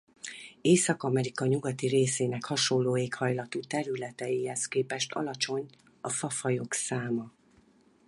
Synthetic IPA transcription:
eːsɒkɒmɛɾikɒɲuɡɒt̪iɾeːseːnɛkhɒʃo̞lːoːeːkhɒjlɒt̪uːt̪ɛɾylɛt̪ɛjihɛskeːpɛʃt̪ʰɒ̰lɒt͡ʃo̞ɲ | ɒfɒfɒjo̞ksaːmɒ

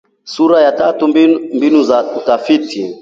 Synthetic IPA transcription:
suɾajatatumimbinuzautafitʰi

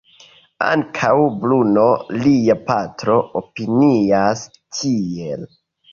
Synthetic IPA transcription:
a̰ŋkʰawbluno̞liapatɾo̞opinias | tʰie̞l

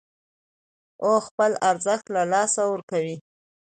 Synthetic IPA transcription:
oxpəlaɾzəxt̪lalɑsawəɾkawi

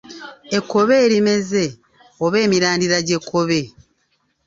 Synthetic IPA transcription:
ekːo̞βe̞ːɾime̞ze̞ | oβe̞ːmiɾaːndiɾaɟe̞kʰːo̞βe̞

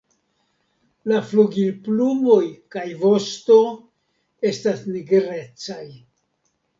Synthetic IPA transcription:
lafluɡilplumo̞jkajvo̞sto̞ | e̞stasniɡɾe̞t͡saj

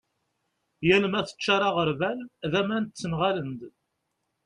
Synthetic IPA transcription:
jælmæθə̥t͡ʃːaɾˤɑʁəɾvælðæmænt̪t͡sːənʁalənd̪

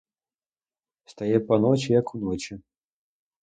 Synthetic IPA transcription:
st̪ajɛpanɔt͡ʃʲijɐkʰunɔt͡ʃi

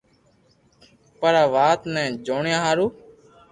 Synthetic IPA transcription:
pəɾaːʋaːt̪nɛ̃ːd͡ʒoːɳjãːɦaːɾuː

